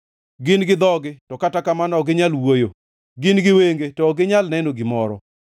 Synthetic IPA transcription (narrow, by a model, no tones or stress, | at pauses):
ɡɪnɡɪd̪ɔɡɪtɔkatakamanɔɡɪɲalwojo | ɡɪnɡɪweŋɡetɔɡɪɲalnɛnoɡɪmɔɾɔ